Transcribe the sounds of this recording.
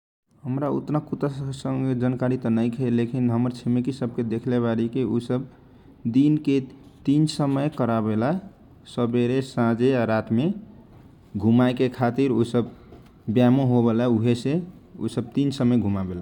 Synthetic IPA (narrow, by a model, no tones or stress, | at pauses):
ɦəmɾaṵt̪nakut̪asəŋɡed͡ʒənkaɾit̪ənəjkʰelekʰinɦəməɾt͡ʃʰimekisəb̚ked̪ekʰleβaɾikeusəb | d̪inket̪insəməjkəɾabela | səbeɾesãd͡ʒeaɾat̪me | ɡʱumaekekʰat̪iɾosəb | bjamoɦobelauɦese | ṵsəb̚t̪insəməjɡʱumabela